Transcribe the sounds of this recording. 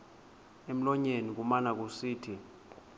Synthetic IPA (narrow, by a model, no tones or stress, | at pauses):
em̩lɔɲenik̬umanak̬usiːtʰi